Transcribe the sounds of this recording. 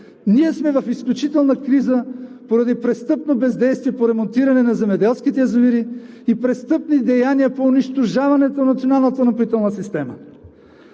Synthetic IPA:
niɛsmɛvɐfisklʲut͡ʃit̪ɛlˠnəkɾizəpoɾɐd̪ipɾɛst̪ɤpnobɛzd̪ɛjst̪viɛpoɾɛmont̪iɾɐnɛnɐzɛmɛd̪ɛlˠskit̪ɛɐzoviɾiː | pɾɛst̪ɤpnid̪ɛjaniəpoːniʃt̪oʒavɐnɛt̪onɐt̪sionalˠnət̪ənɐpit̪ɛlˠnəsist̪ɛmə

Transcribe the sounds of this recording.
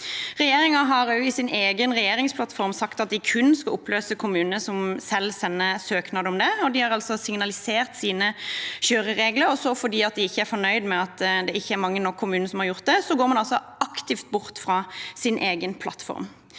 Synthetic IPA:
ʁɛjeːɾɪŋɑɦɑɾjʊɪsɪnʔeːɡənʁɛjeːɾɪŋspʰlɑt̪fɔʁmsɑkt̪ɑt̪̚d̪ɪkʰʉnskɑlʔʊpːløːsəkʰʊmʉːnnəsɔmsɛlsɛnːəsøːknɑːd̪əɔmd̪ɛɔd̪ɪhɑɾɑlsɔsɪŋnɑlɪseːʁt̪siːnəɕøːɾəʁeːɡləɾɔsɔfɔɾd̪iːɑt̪̚d̪ɪɪçːəæɾfɔnœʏd̪mɛɑt̪d̪ɛɪçːəæɾmɑŋːənɔkʰːʊmʉːnəsɔmhɑɾjʊʁt̪̚d̪ɛsɔɡoːɾmɑnɑlsɔɑkt̪ɪft̪̚bʊɾt̪fʁɑːsɪnʔeːɡənpʰlɑ̰t̪fɔ̰ʁm

